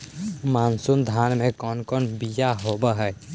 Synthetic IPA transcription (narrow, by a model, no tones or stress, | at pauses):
mansund̪ʱanmekɔnkɔnbijaɦobəɦɛj